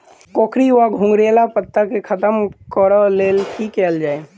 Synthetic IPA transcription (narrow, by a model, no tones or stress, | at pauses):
koːkʰɾiʋaɡʱʊ̃ŋɡɾeːlapət̪ːəkekʰɐt̪əmkɔɾəleːlkikɛːld͡ʒaːe